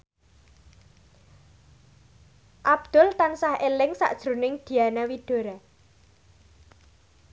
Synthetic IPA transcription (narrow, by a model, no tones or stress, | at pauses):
ʔab̚d̪̥ʊ̤lt̪ansahelɪŋsa̰ʔd̥ʒ̥ɾunɪŋd̪̥i̤anawid̥o̤ɾa